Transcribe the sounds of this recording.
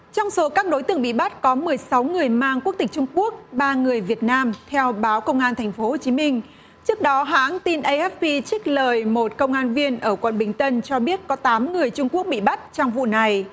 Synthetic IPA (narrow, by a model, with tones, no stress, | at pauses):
t͡ɕɔ˧wŋ͡mso˨˦kaː˦˥k̚ɗo˨˦jt̪ɨ̰˧˩əŋɓḭ˧˨ɓa˦˥t̚kɔ˨˦mɨ˨˩əjsa˨˦wŋɨ˨˩əjmaː˧ŋku˦˥ək̚t̪ï˩ŋ̟̚t͡ɕʊ˧ŋ͡mku˦˥ək̚ɓaː˧ŋɨ˨˩əjvi˨˩ət̚naː˧mt̪ʰɛ˧wɓaː˨˦wkə˧wŋ͡mʔaː˧nt̪ʰɛ˨˩jŋ̟fo˨˦ho˨˩t͡ɕi˨˦mï˧ŋ̟ | t͡ɕɨ˦˥ək̚ɗɔ˨˦ɦa̰ː˧˥ŋt̪i˧nʔə˧jʔɛ˦˥p̚pi˧t͡ɕï˦˥k̟̚ləː˨˩jmo˨˩t̚kə˧wŋ͡mʔaː˧nvi˧ənʔəː˧˩kwə̰˧˩˨nɓï˨˩ŋ̟t̪ə˧nt͡ɕɔ˧ɓi˦˥ət̚kɔ˨˦t̪aː˨˦mŋɨ˨˩əjt͡ɕʊ˧ŋ͡mku˦˥ək̚ɓḭ˧˨ɓa˦˥t̚t͡ɕɔ˧wŋ͡mvṵ˧˨na˨˩j